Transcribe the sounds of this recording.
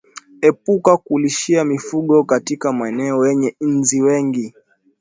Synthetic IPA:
ɛpukakuliʃiamifuɠɔkatikamaɛnɛɔjɛɲɛn̩ziwɛŋɡi

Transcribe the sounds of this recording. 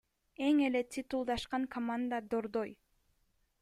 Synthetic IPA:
eŋe̞let̪ʰʲit̪ulˠd̪ɑʃqɑŋkʰomand̪əd̪oɾd̪oj

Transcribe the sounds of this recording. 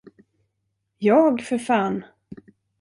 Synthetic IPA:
jɑːɡfœɾfɑːn

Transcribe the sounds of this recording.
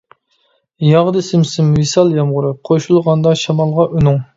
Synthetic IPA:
jɑʁd̪ɨsɪmsɪmwisɑlˠjɑmʁʊɾɨqʰoʃulˠʁɑnd̪ɑʃɑmɑlˠʁɑʔynʊŋ

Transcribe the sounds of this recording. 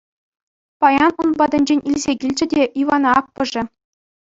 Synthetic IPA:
pɑjɑnunbɑd̪ɤ̆nʲd͡ʑenʲilʲzʲeɡʲilʲd͡ʑɘ̆dʲeʔiʋɑnɑɑk̚pɤ̆ʐɘ̆

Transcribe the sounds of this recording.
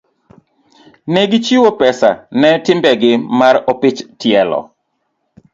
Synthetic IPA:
neɡɪt͡ʃiwopɛsa̰nɛtɪmbɛɡɪmaɾopɪt͡ʃtɪɛlɔ̰

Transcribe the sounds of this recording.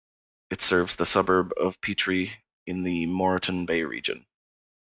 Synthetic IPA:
ɨtsɜ˞vzðəsʌbə˞bʌ̰v̥pʰit͡ʃɹ̥i | ɨ̃nðɨmɔɹɨʔn̩beɪɹḭd͡ʒɨ̰̃n

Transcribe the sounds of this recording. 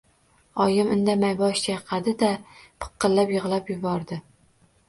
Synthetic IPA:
ɒjɪmɪnd̪amajbɒʃt͡ʃaqʰɑd̪ɪd̪apʰɨ̥qʰːɨllːapjɪʁlˠapjʊbɒɾd̪ɪ

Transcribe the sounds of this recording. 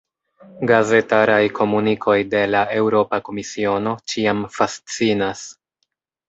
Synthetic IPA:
ɡaze̞taɾajkʰo̞munikʰo̞jde̞lae̞wɾo̞pako̞misio̞no̞t͡ʃiamfast͡sinas

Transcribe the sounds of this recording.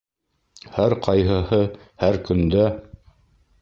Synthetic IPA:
hæɾqʰɑjɦɤ̆hɤ | hæɾkɵ̆nd̪æ

